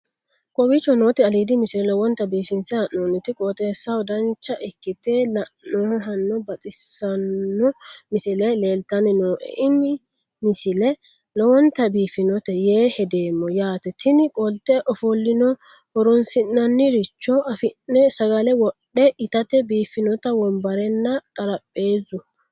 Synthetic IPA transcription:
kʼɔwɪt͡ʃːɔnoːt̪ɛɐliːd̪ɪmɪsɪlɛlɔwɔnt̪ɐbiːfɪnsɪhɐʔːoːnːɪt̪ɪkʼɔːt̪ʼeːsːɐwɔd̪ɐnt͡ʃːɐʔɛkːɪt̪elɐːoɦɐnːɔbɐt̪ʼɪsːɐnːɔmɪsɪlɛle̞ːlt̪ɐnɪnoːʔɛ̰ʔɪnɪ | mɪsɪlɛ | lɔwɔnt̪ːɐbiːfɪnɔt̪ɛjeːhɛd̪eːmːɔjaːt̪ɛt̪ɪnɪkʼɔlt̪ɛʔɔfɔlːɪnɔ | ɔɾɔnsɪnːɐnːɪɾɪt͡ʃːɔɐfɪnːɛsɐɡɐlɛwɔɗɗːɛɪt̪ɐt̪ɛbiːfːɪnɔt̪ɐwɔmbɐɾɛnːɐt̪ʼɐɾɐpʼːe̞ːzʊ

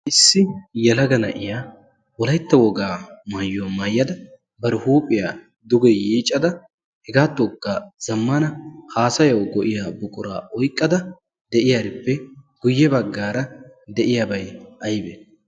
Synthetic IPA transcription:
ʔɪsːɪjɛlɐɡɐnɐ̰ʔɪjaː | wɔlɐjt̪ːɐwɔɡaːmaːjːomɐːjːɐd̪ɐ | bɐɾɪhuːpʼɪjaː | d̪ʊɡɛjiːt͡ʃʼːɐd̪ɐ | hɛɡaːt̪ːɔɡːaːz̥ɐmːɐnɐhaːsɐjɐwɡɔʔɪjaːbʊkʼʊɾa̰ːʔɔjkʼːɐd̪ɐ | d̪ɛʔɪjaɾɪpːɛɡ̥ʊjːɛbɐɡːaːɾɐ | d̪ɛʔɪjabɐjɐjbɛ

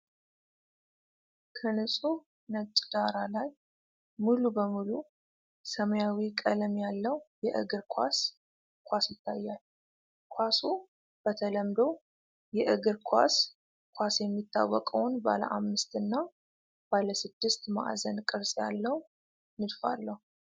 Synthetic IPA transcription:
kʰənɨsʼu | nət͡ʃʼd̪aɾalaj | mulubəmulu | səməjawikʼələmjalːəwjɛʔɨ̰ɡɨɾkʰʷa̰s | kʷʰasjɪt̪ːajːal | kʷʰasu | b̥ət̪ʰələmd̪ow | jɛʔɨɡɨɾkʰʷa̰s | kʰʷasjɛmːit̪ːa̰wːɔkʼəwnba̰lə̰ʔa̰mːɨst̪ɨnːa | b̥aləsɨd̪ːɨst̪ma̰ʔzənkʼɨɾsʼja̰lːəwu | nɨd̪fa̰lːəhu

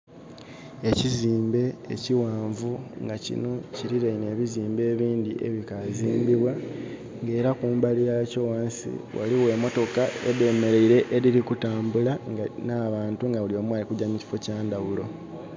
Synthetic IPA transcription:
e̞ciziːmbe̞̰ːciwaːɱvuŋɡacḭno̞ciɾiɾeine̞ːβiziːmbe̞ːβiːndḭʔe̞̰βikaziːmbiβwa | ŋɡe̞ːɾakuːmbalijacowaːnsḭwʔa̰liwe̞ːmo̞to̞kae̞deme̞ɾe̞iɾe̞ʔːɾiɾikutaːmbulaŋɡnaːβaːntuŋɡaulio̞ːmwaːlikuɟaɲici̥fo̞caːndaβulo̞

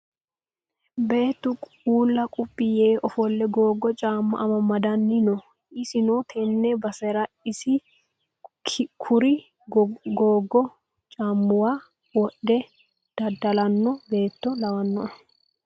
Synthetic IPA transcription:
be̞ːt̪ːʊkʼ | uːlːɐkʼʊpʼːɪjeːʔɔfɔlːɛɡoːɡːɔt͡ʃʼaːmːʊ̰ʔɐmɐmɐd̪ɐnːɪnɔ | ʔɪsɪnɔt̪ʰɛnːɛbɐsɛɾɐ | ɪsɪ | kʰʊɾɪ | ɡoːɡːɔ | t͡ʃʼaːmːʊwaː | wɔɗɛ | d̪̥ɐd̪ːɐlɐnːɔbe̞ːt̪ːɔlɐwɐnːɔn

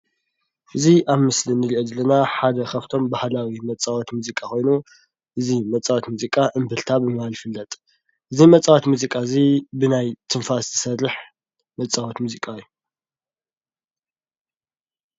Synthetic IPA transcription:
ʔɨziʔaβmɨslinɨliʔod̪ɐlːɐnaħad̪ɐxɐft̪ʰo̞mbahlawimɐt͡sʼːawɔt̪muzikʼakʰo̞jnu | ʔɨzimɐt͡sʼawot̪muzikʼaʔɨmbɨlt̪ʰabɨmɨhalfɨlːɐt̪ʼ | ʔɨzimɐt͡sʼːawot̪muzikʼaɨzibɨnajt̪ʰɨɱfast̪ʰɨ̥sɐrɨħ | mɐt͡sʼawɔt̪muzikʼaɨjːu

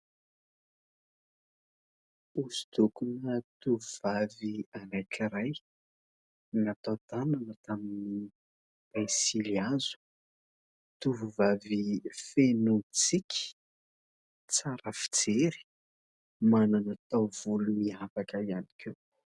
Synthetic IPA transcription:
usi̥d̪ukunət̪uvuvavianajkiɾaj | nat̪at̪ananət̪amini | b̥ajsiliazu̥ | t̪uvuvavifenut͡sikʲi̥ | t͡saɾəfi̥d͡zeɾi̥ | mananat̪awv̥uluniafakəiani̥kʰew

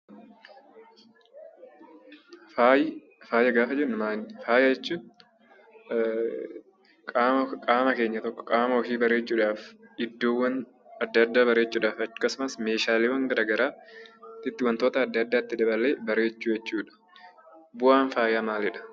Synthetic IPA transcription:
aj | faːjɐɡaːfɐd͡ʒɛnʊmaːfaːjɐɛt͡ʃːʊ | kʼakʼaːmɐke̞ːɲːɐt̪ɔkːɔ̥kʼaːmɐwɔkiːbɐɾe̞ːt͡ʃːuːᶑaːfɪd̪ːoːwːɐn | ɐd̪ːɐd̪ːaːbɐɾeːt͡ʃːuːᶑaːfɐkːɐsʊmɐsme̞ːʃaːlɪwɐŋɡɐɾaːɡɐɾaːt̪ːɪt̪ːɪwɐnt̪oːt̪ɐːd̪ːɐd̪ːaːt̪ːɪd̪ɐbɐleːbɐɾe̞ːt͡ʃːuːjɛt͡ʃːuːᶑɐ̥ | bʊʔaːnfaːjaːmaːlɪᶑɐ̥

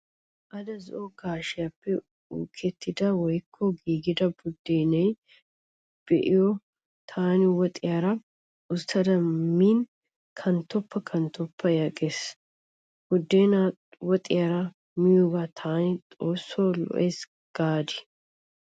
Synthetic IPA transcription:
ʔɐd̪ɐzɔʔɔɡaːʃɪjapːɛ | uːkʰɛt̪ːɪd̪ɐwɔjkʰːɔɡiːɡɪd̪ɐbʊd̪ːeːnɐj | b̥ɛʔɪjɔ | t̪ʰaːnɪwɔt̪ʼɪjaɾɐ | ʊst̪ːɐd̪ɐmiːn | kʰɐnt̪ːɔpːɐkʰɐnt̪ːɔpʰːɐjɐkʼes | b̥ʊd̪ːeːna | wɔt̪ʼɪ̰jaɾɐ | mɪjoːɡat̪ʰaːnɪt̪ʼoːsːoːlɔ̰ʔeːs | ɡ̥aːd̪ɪ̥

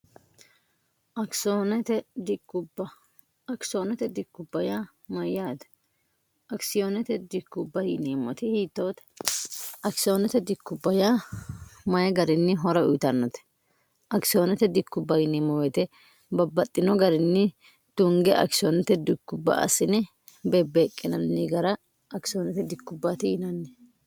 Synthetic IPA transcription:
ɐksonɛt̪ɛd̪ɪkːʊbɐ | ɐksoːnɛt̪ɛd̪ɪkːʊbːɐja | mɐjːat̪ɐ̥ | ɐksɪjonɛt̪ɛd̪ɪkːʊbːɐjɪneːmːɔ̰t̪ɪhiːt̪ːoːt̪ɛ̥ | ɐksɪoːnɛt̪ɛd̪ɪkːʊbːɐja | mɐjɛɡɐɾɪnːɪɦɔɾɐʊjt̪ɐnːɔt̪ɛ̥ | ʔɐksɪjonɛt̪ɛd̪ɪkːʊbːɐjɪneːmːɔwɛt̪ɛ | bɐbːɐt̪ʼːɪnɔɡɐɾɪnːɪ | t̪ʊŋɡɛʔɐ̰ksɪɔnɛt̪ɛd̪ɪkːʊbːɐ̰ɐ̰sɪnɛ | bebːeːkʼːɪnɐnːɪɡɐɾɐ | ɐksɪonɛt̪ɛd̪ɪkːʊbːat̪ɪjɪnɐnːɛ

